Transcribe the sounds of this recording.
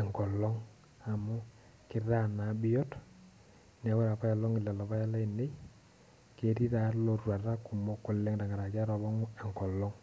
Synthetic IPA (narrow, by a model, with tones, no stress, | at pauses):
ɛ˨ŋkɔ˨lɔ˦ŋ | a˨mʊ˦ | kɪ˦ra˦˨na˨˦bɪ˦jɔ˦t | nɛ˨˦wɛ˦ɾa˨pa˦ja˨lɔ˦ŋɪ˨lɛ˨lɔ˨pa˦ja˦la˦i˨ne˦ | ke˨˦ɾi˦ɾa˨˦lo˨rwa˨ta˦ku˨mo˦kʊ˦lɛ˦ŋda˨ŋa˨ɾa˨ɡa˦ɾɔ˨bɔ˦ŋ˦ɛ˨ŋkɔ˨lɔ˦ŋ